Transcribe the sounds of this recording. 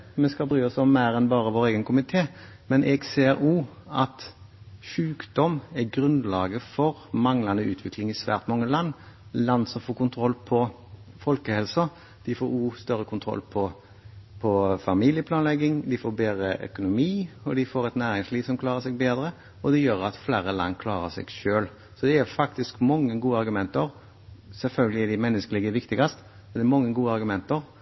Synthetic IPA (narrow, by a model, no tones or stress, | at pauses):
mɛskɑlbɾyːɔsɔmːæɪɾɛnbɑːʁəʋoːɾeːɡənkʊmɪt̪ʰeːmɛnʔɛɡseːɾuːɑt̪ʃʉːkd̪ɔmɛɡɾʉnd̪lɑːɡəfɔʁmɑŋlɑnəʉ̰ːt̪ʰʋɪklɪŋɪsʋæ̰ːʁt̪mɑŋːəlɑnːlɑnːsɔmfoːkʊnt̪ʰʁɔlːpʰɔ | fɔlkəhɛlsɔ | d̪̥ɪfoːɾuːst̪œɾəkʰʊnt̪ʰʁɔ̰lːpʰɔ | pʰɔfɑmiːlɪəpʰlɑːnlɛɡːɪŋd̪ɪfoːbeːd̪ɾəʔœ̰kʊnʊmiːɔd̪ɪfoːɾɛt̪næːɾɪŋsliːʋsɔmklɑːʁəsɛɡ̚beːd̪ɾə | ɔd̪ɛjøːɾɑt̪flæːɾəlɑ̰nːkʰlɑːɾəsɛ̰ɡʃøːl | sɔd̪ɛɛɾfɑkt̪ɪskmɔŋːəɡuːəɑɾɡʉmɛnt̪əɾ | sɛlfœlɡəlɪɛɖ̪ɪmɛnːəskəliːɡəʋɪkt̪ɪɡɑst̪ | mɛnɛɾmɑŋːəɡuːəɑɾɡʉmɛnt̪əɾ